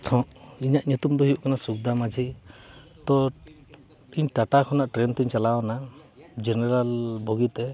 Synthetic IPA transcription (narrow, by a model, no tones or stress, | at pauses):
t̪ʰɔ̃ʔiɲaʔɲut̪umd̪ɔɦiuʔkanasuk̚d̪amad͡ʒʱi | t̪ɔ | iɲʈaʈakʰɔnaʔʈɾɛnt̪iɲt͡ʃalawnad͡ʒɛnɛɾalbʱɔɡit̪ɛ